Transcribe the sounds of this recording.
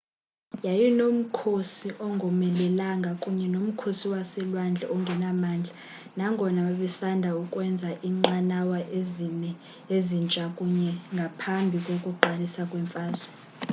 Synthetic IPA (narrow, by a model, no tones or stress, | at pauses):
jajinom̩kʰosiʔɔŋɡʱɔmɛlɛlaŋɡʱakʼuɲɛnom̩kʰosiwasɛlwand͡ɮʱɛ̰ɔŋɡʱɛnamaːnd͡ɮʱa | naŋɡʱɔnaɓaɓɛsandʱaukʼwɛnd͡zʱaʔiŋ͡ǃanawaʔzinɛ | ezint͡ʃʼakʼuɲɛŋɡʱapʰambʱikʼokʼuǃʱalisakʼwɛɱfaːzɔ